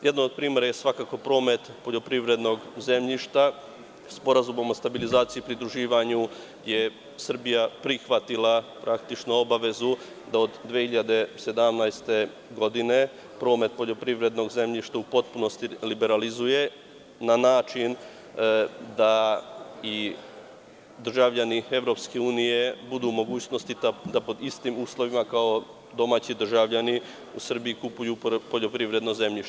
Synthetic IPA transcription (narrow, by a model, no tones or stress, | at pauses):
jed̪nood̪̚pɾiːme̞ɾajesʋakaːko̞pɾo̞ːme̞t̪po̞ʎo̞pɾiʋɾe̞d̪no̞ɡze̞mʎiʃt̪a | spo̞ɾazumo̞most̪abilizaːt̪sijipɾid̪ɾuʒiːʋaɲu | je | sr̩bijapɾixʋat̪ilˠapɾʔakt̪it͡ʃnoo̞baʋe̞zu | d̪aod̪d̪ːʋijehiʎad̪e̞se̞d̪amnajst̪e̞ | ɡo̞d̪ine̞ | pɾo̞ːme̞t̪̚po̞ʎo̞pɾiʋɾe̞d̪no̞ɡze̞mʎiʃt̪aupo̞t̪̚puno̞st̪ilibeɾalizuje̞ | nanaːt͡ʃin | d̪a | i | d̪r̩ʒaʋʎanie̞ʋɾo̞pskeuːnije̞bud̪umo̞ɡuːt͡ɕno̞st̪it̪ad̪apo̞d̪ist̪imuːslˠo̞ʋimakao̞ | d̪o̞maːt͡ɕid̪r̩ʒaʋʎani | usr̩biikupujupo̞ʎo̞pɾiʋɾe̞d̪no̞ze̞mʎiʃ